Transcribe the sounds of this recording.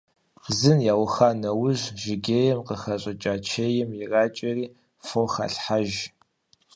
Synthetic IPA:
zɨnjaːwxaːnɐwʊʑʒɪɡʲeːjɛmqəxɐɕʼɐt͡ʃʼaːt͡ʃʰeːjɛmjɪraːt͡ʃʼɐriː | fowxa̰ɬħaʒ

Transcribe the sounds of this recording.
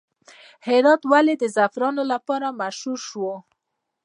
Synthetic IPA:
hɪɾɑt̪waled̪əzafɾɑnolapɑɾamaʃhuɾʃwo

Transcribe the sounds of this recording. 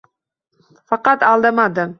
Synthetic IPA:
fɑqɑt̪ɑlˠd̪əmɑd̪ə

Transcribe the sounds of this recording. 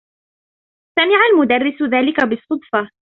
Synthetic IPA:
samɪʕalmʊd̪arːɪsʊðaːlɪkabɪsˤːʊd̪ˤfɑ

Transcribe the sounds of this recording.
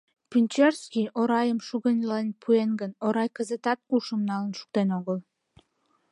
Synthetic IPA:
pynʲt͡ɕerskʲijʔoɾɑjəmʃuɣənʲlenʲpʰuenɡənoɾɑjkəzət̪ɑt̪̚kuʃəmnɑlənʃu̥k̚t̪enoɣəl

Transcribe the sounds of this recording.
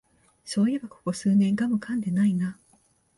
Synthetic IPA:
so̞ːjebako̞̥ko̞sɨːnẽ̞ŋɡamɯ̟kʰãnd̪e̞naina

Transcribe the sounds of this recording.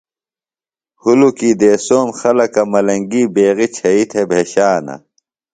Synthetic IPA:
hulukiːd̪eːsoːmxɐlɐkɐmɐlɐŋɡiːbeːɣit͡ɕʰɐit̪ʰebʱeːɕaːnɐ̰

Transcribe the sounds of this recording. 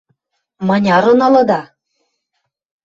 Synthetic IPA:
mɑnʲɑɾɤ̆nɑlɤ̆d̪ɑ

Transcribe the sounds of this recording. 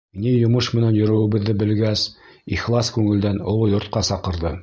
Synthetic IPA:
nijŏmɤʃmɘ̆nænjɵ̆ɾɘ̆wɘ̆βɘ̆ðːɘbɘ̆lɡæsiχlˠɑskʉŋɘ̆ld̪ænŏ̰lˠjŏɾt̪̚qɑsɑqɤ̆ɾðɤ

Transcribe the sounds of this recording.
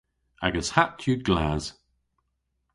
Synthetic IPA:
aɡəz̥hat͡ʃʰʉɡlaz̥

